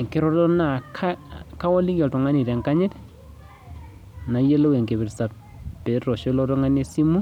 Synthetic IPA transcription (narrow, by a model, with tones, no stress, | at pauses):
ŋke˦ɾɔ˦tɔ˦na˨kʰa˦ka˦wɔ˦li˦kɔ˨tɔ˨ŋa˦ni˨tɛ˨ŋka˦ɲe˦t | na˨je˦lo˦we˨ŋke˨βi˨ɾsa˨ | pe˨ɾɔ˨ʃe˦lɔ˦tɔ˦ŋa˦ne˦si˦mu˦